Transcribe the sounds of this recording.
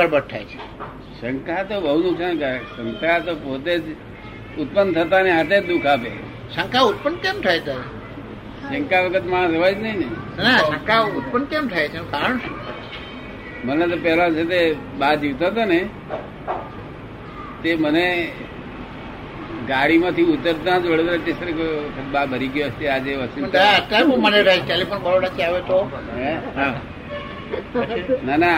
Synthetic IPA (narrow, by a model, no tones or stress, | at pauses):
əɾbəɾt̪ʰajt͡ʃʰe̥ | sə̃ŋkʰat̪obəɦunʊksankəɾesə̃ŋkʰat̪opot̪ed͡ʒ | ʊt̪̚pənt̪ʰət̪aneɦat̪ed͡ʒd̪ukʰapḛ | sə̃ŋkaʊt̪̚pənkemt̪ʰaet̪aɾe | səŋkaʋəkʰət̪mããsəʋad͡ʒnəineinasə̃ŋkaut̪̚pənkemt̪ʰaet͡ʃʰẽkaɾəɳʃũ | mənet̪opɛɦlãt͡ʃʰet̪̬e | bad͡ʒiʋt̪at̪̬one | t̪eməne | ɡaɽimãt̪ʰiut̪əɾt̪ãd͡ʒʋəɽod̪ɾat͡ʃesəɾekoʋəkʰət̪̚babəɾiɡjost̪ead͡ʒeʋət͡ʃiaət̪ːaeõməneɾasʈelifonbəɾoɽat͡ʃʰeaʋet͡ʃɔɦeɦa | nana